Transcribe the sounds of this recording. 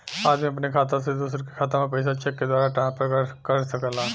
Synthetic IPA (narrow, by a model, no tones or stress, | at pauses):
aːd͡ʒmĩɐpnekʰaːt̪̬as̬ed̪usɾke̥kʰaːt̪amẽpɐjs̬at͡ʃɛkːed̪waːɾaʈãːspɾəkəʈkɐɾsɐkəla